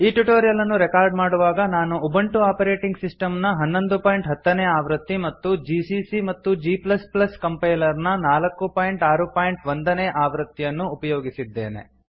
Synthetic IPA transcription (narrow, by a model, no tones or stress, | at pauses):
iːʈuʈoːɾijɐlɐnːuɾɛkaːɾɖmaːɽuʋaːɡɐnaːnuːbɐɳʈuaːpɐɾe̞ːʈiŋɡsisʈɐmnɐɦɐnːo̞nd̪upaːjiɳʈɦɐt̪ːɐneːaːʋɾɐt̪ːimɐt̪ːud͡ʒisisimɐt̪ːud͡ʒiːplɐsplɐskɐmpɐjlɐɾnɐnaːlɐkːupaːjiɳʈaːɾupaːjiɳʈʋond̪ɐneːʔaːʋɾɐt̪ːijɐnːuːpɐjoːɡisid̪ːe̞̰ːne̞̰